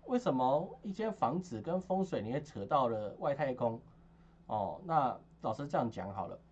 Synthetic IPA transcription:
we˥˩ɪʂə˨˦nmə˧i˥˩t͡ɕjɛ˥nfɑ˧˦ŋt͡sɹ̩˨˩kə˦nfo˥ŋswe˨˩ɪni˨˩e˥˩ʈ͡ʂʰɤ˧˥t̪ɑ˥˩ʊlə˩wa˥˧ɪt̪ʰa˥˧ɪkʰʊ˦ŋ | ɔ̰˥˨˩na˥˧ | t͡sɑ˨ʊʂɻ̩˥˧ʈ͡ʂɤ˥˧jɑ˥˩ŋ˩t͡ɕjɑ̰˧˥ŋhɑ˨˩ʊlə̰˦

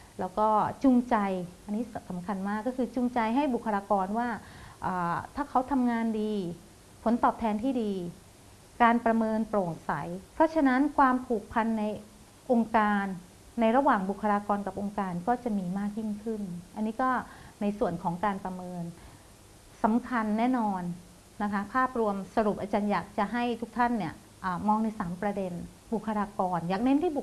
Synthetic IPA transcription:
lɛː˦˥wkɔː˥˩t͡ɕu˧ŋt͡ɕa˧jʔa˧nːiː˦˥ssa˩˦mkʰa˧nmaː˥˩kːɔː˥˩kʰɯː˧t͡ɕu˧ŋt͡ɕa˧jɦa˥˩jbu˨˩kʰːa˧ɾaː˧kɔː˧nwaː˥˩ʔaː˨˩t̪ʰaː˥˩kʰa˦˥wt̪ʰa˧mŋaː˧ndiː˧ | pʰo˩˦nt̪ɔː˨˩p̚t̪ʰɛː˧nt̪ʰiː˥˩diː˧ | kaː˧npɾa˧mɤː˧npɾoː˨˩t̚sa˩˦jpʰɾɔ˦˥t͡ɕʰa˧na˦˥nkʰwaː˧mpʰuː˨˩k̚pʰa˧nːa˧j | ʔo˧ŋkaː˧nː | a˧jɾa˧waː˨˩ŋbu˨˩kʰːa˧ɾaː˧kɔː˧nka˨˩p̚ʔo˧ŋkaː˧nkɔː˥˩t͡ɕa˨˩miː˧maː˥˩k̚ji˥˩ŋkʰɯ˥˩nʔa˧nːiː˦˥kɔː˥˩na˧jsu˨˩ənkʰɔː˩˦ŋkaː˧npɾa˧mɤː˧n | sa˩˦mkʰa˧nːɛː˥˩nɔː˧nː | a˦˥kʰa˦˥pʰaː˥˩p̚ɾu˧əmsa˧ɾu˨˩p̚ʔaː˧t͡ɕaː˧njaː˨˩k̚t͡ɕa˨˩ɦa˥˩jt̪ʰu˦˥k̚t̪ʰa˥˩nːi˦˥˩ɐ | ʔaː˨˩mɔː˧ŋna˧jsaː˩˦mpɾa˧de˧n | bu˨˩kʰːa˧ɾaː˧kɔː˧njaː˨˩k̚ne˦˥nt̪ʰiː˥˩bu˨˩

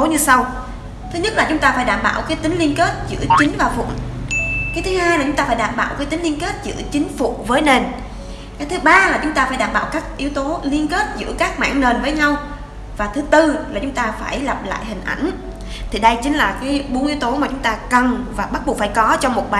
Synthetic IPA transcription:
o˨˦ɲɨ˧sa˧w | t̪ʰɨ˨˦ɲə˦˥t̚la˨˩t͡ɕʊ˨˦ŋ͡mt̪aː˧faː˧˩jɗaː˧˩mɓaː˧˩wkaː˨˦jt̪ï˨˦ŋ̟li˧ənke˦˥t̚zɨ̰˧˥ət͡ɕï˨˦ŋ̟vaː˨˩wfʊ̰˧˨ŋkaː˨˦t̪ʰɨ˨˦haː˧jlʊ˨˦ŋ͡mt̪aː˧faː˧˩jɗaː˧˩mɓaː˧˨wkaː˨˦jt̪i˨˦ŋli˧ənke˦˥t̚zɨ̰˧˥ət͡ɕï˨˦ŋ̟fṵ˧˨vəː˨˦jne˨˩n | kaː˨˦jt̪ʰɨ˨˦ɓaː˧laː˨˩t͡ɕʊ˨˦ŋ͡mt̪aː˧faː˧˩jɗaː˧˩mɓa̰ː˧˨wkaː˦˥k̚ʔi˨˦əwt̪o˨˦li˧ənke˦˥t̚zɨ̰˧˥əkaː˦˥k̚ma̰ː˧˨ŋne˨˩nvəː˨˦jɲa˧w | vaː˨˩t̪ʰɨ˨˦t̪ɨ˧laː˨˩t͡ɕʊ˨˦ŋ͡mt̪aː˧faː˧˩jla˨˩p̚la̰ː˧˨jhï˨˩ŋ̟ʔa̰˧˩jŋ̟ | t̪ʰi˨˩ɗə˧jt͡ɕï˨˦ŋ̟laː˨˩kaː˨˦jɓu˨˦ənʔi˨˦wt̪o˨˦maː˨˩t͡ɕʊ˨˦ŋ͡mt̪aː˧kə˨˩nvaː˨˩ɓa˦˥t̚ɓo˨˩faː˧˩jkɔ˨˦t͡ɕɔ˧wŋ͡mmo˨˩t̚ɓaː˨

